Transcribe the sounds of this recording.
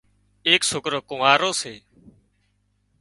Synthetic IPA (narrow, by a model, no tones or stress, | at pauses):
eːksʊkɾokʊmaːɾoːseː